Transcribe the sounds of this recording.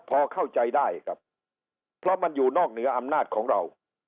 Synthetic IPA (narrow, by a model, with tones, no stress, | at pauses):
pʰɔː˧kʰa˥˩wt͡ɕa˧jdaː˥˩ja˩kʰɾa˦˥p̚ʰː | ɾɔ˦˥ma˧njuː˨˩nɔː˥˩k̚nɯ˩˦ɐʔa˧mnaː˥˩t̪̚kʰɔː˩˦ŋɾa˧w